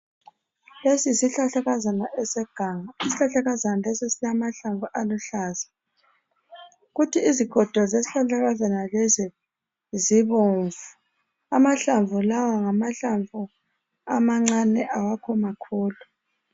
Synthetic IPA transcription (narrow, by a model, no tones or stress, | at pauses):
lesisiɬaɬaɣazanaʔɛsɛɡ̥ʱaŋaisiɬaɬaɣazanalɛsisinamaɬaɱvʱuʔaluɬaːzḁ | ɣutʰiːziɡ̥ʱɔd̥ʱɔzesiɬaɬaɣazanalɛzɛ | ziβoɱvu | amaɬaɱvʱulawaŋamaɬaɱvu | amaŋ͡ǀanɛʔawakʰɔmakʰuːlu